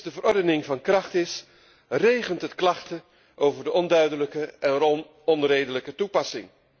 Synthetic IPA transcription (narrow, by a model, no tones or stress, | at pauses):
dəvəɾɔɹdənɪŋvɑnkrɑχtɪs | rejχəntɦətklɑχtə | ʔowvəɹdəʔɔndœɥdələkəɛn | ɔnrejdələkətupɑsɪŋ